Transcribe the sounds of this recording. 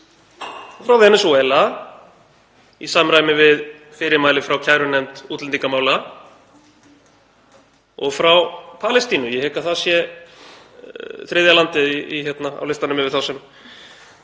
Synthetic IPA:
fɾawðɛnɛsɔɛla | isaːmɾajmɪvɪð | fɪɾɪmaːjlɪfɾawcʰaːjɾʏnɛmt̪ut̪lɛnt̪iŋkamaːwl | ɔ̰ɣfɾawpʰalɛst̪iːnʏjɛhɛːkaθaðsjɛ | θɾɪːðjalant̪ɪiiçɛt̪naa̰wlɪst̪anʏmɪvɪðθawsɛm

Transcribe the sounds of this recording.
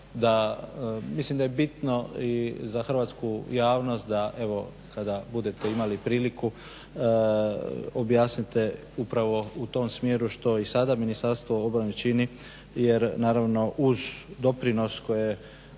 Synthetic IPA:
d̪a | mislimd̪ajebit̪no̞izaxr̩ʋaːt̪skujaːʋno̞st̪̚d̪aʔe̞ʋo̞ | kad̪abud̪e̞t̪e̞imalipɾiːliku | objaːsnit̪e̞ | upɾaʋo̞ut̪o̞msmjeːɾuʃt̪o̞isad̪aminist̪aɾst̪ʋoobɾanet͡ʃini | je̞ɾnaːɾaʋno̞ʔuzd̪o̞pɾino̞sko̞je

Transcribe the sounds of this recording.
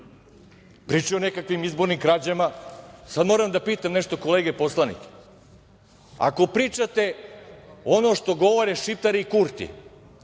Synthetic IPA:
pɾiːt͡ʃionekakʋimizboɾnimkɾad͡ʑemasad̪moːɾamd̪apiːt̪amneʃt̪o̞ko̞leːɡepo̞slˠanḭke̥ | a̰ko̞pɾiːt͡ʃat̪e | o̞noʃt̪o̞ɡo̞ʋoɾeʃipt̪aɾiikuɾt̪ḭ

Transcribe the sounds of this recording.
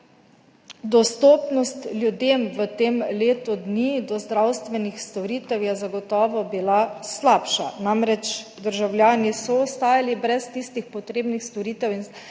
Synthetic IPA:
d̪ɔst̪oːpnɔst̪ljud̪eːmʋət̪eːmleːt̪ud̪niːd̪ɔzd̪ɾawst̪ʋɛnixst̪ɔɾiːt̪ɛwjɛzaɡɔt̪ɔːʋɔbilaslaːpʃanamɾɛt͡ʃd̪əɾʒawlʲjaːnisɔɔst̪aːjalibɾɛst̪ist̪ixpɔt̪ɾeːbnixst̪ɔɾiːt̪ɛwin

